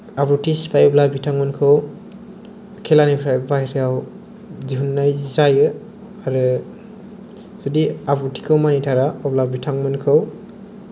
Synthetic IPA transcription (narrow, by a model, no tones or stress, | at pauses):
abɾutʰispʰajɔblabitʰaŋmɯnkʰɯw | kʰelanipʰɾajbajɾijaw | ziɦunːajzajɯ | aɾɯ | zudiabɾutʰi̥kʰɯwmanitʰaɾaɔblabitʰaŋmɯnkʰɯw